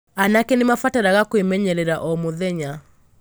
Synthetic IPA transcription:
anakɛnemafataɾaɣakoemɛɲɛɾɛɾaʔɔmoðɛɲa

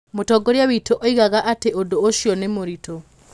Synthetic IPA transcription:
motɔɡoɾjawitoʔoiɣaɣaʔateodooʃjɔnemoɾito

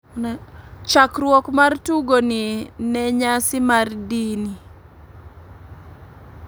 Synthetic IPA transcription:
nt͡ʃakrwɔkmartuɡoninɛɲasɪmardini

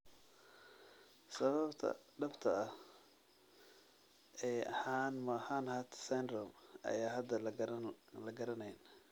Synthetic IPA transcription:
sɐβɐbt̪ʰɐ̰ɖɐbt̪ʰɐɐh | ɛːɐħaːnmaːħaːnhaːt̪ʰsand̪ɾɔmʔɐ̰jaːɦɐd̪ɐ | lɐɡɐɾɐnɛjn

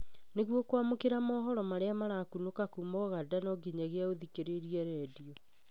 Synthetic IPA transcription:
neɣwɔkwamokeɾamɔɦɔɾɔmaɾeamaɾakunokakumɔɣadanɔɡiɲaɣeaoðikeɾeɾiɛɾɛdiɔ

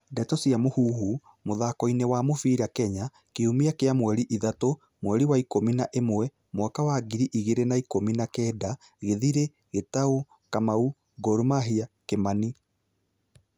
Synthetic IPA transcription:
dɛtɔsiamohuːɦu | moðakɔinewamofiɾakɛɲa | keumiakeamwɛɾiʔiðato | mwɛɾiwaikominaʔemwɛ | mwakawaɡiɾiʔiɣeɾenaikominakɛːda | ɣeðiɾe | ɣetao | kamau | ɡɔɾumaɦiakemani

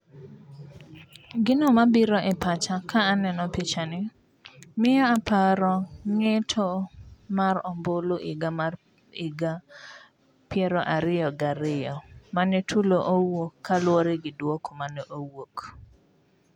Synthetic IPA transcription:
ɡɪnomabiɾoʔɪpat͡ʃakʰaːnɛnɔpit͡ʃanɪ | mɪaːpaɾɔŋetʰomaɾɔmboloʔɪɡama | iɡa | pjɛɾɔʔaɾɪjɔɡaɾɪjɔmanɛtʰuloʔowokʰːalwoɾeɡɪdwokomanɛʔowok

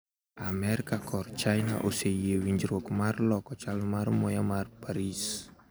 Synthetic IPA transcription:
ʔamɛɾikakʰɔrt͡ʃajnaʔosejewiɲd͡ʒɾɔkmarlɔkɔt͡ʃalmarmɔjamarpaɾis

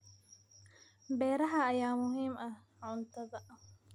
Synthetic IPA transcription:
bɛːɾɐɦɐːjaːmʊɦiːmɐh | ʕʊnt̪ʰɐðɐ

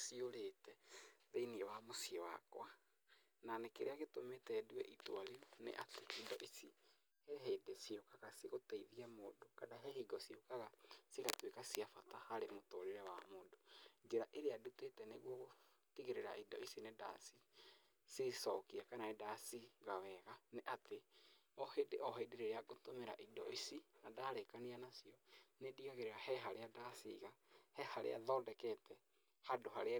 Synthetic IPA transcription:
sioɾetɛðeiniewamosiewa̰kw̰a | nanekeɾeaɣetometɛduɛ̰ʔitwaɾionḛʔateʔidɔʔisi | hɛɦedesiokaɣasiɣoteiðiɛmodokadaɦɛɦiɡɔsiokaɣasiɣatwekasiafatahaɾemotoɾeɾɛwamodod͡ʒeɾaʔeɾeadutetɛneɣwɔɣo | tiɣeɾeɾa̰idɔisineda̰si | sesɔkiakanaedasiɣaβɛɣanɛʔateɔhedeʔɔɦedeɾeɾeaɡotomeɾaʔidɔisinadaɾekanianasiɔnediɣaɣeɾeɾahɛɦaɾeadasiɣahɛhaɾḛa̰ðɔːdɛkɛtɛ | hadohaɾe

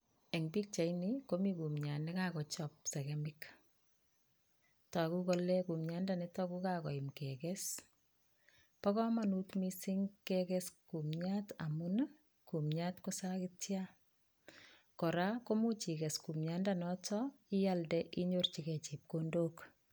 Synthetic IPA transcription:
eŋbik̚t͡ʃajnikomikumɲanɛkakɔt͡ʃɔp̚sɛkɛmɪk | takukolɛkumɲandanɪtɔkukakɔimkɛkɛs | pɔkɔmanutmisiŋkɛkɛskumɲata̰mun | kumɲatkosakɪtja | kɔɾakomut͡ʃikɛskumɲandanɔtʰɔɪjaldɛʔiɲort͡ʃikɛt͡ʃip̚kondok

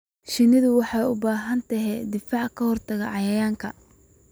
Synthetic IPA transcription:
ʃɪnɪðʊwɑħɑjʊbaːɦɐnt̪ʰɐɦɛd̪ɪfɑːʕkʰɐhɔrt̪ʰɐɣɐʕɑjɐjaːŋkʰɐ

